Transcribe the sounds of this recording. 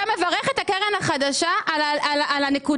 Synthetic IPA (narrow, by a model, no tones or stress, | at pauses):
amevaʁeχethakeʁenhaχadaʃaalaalalaneku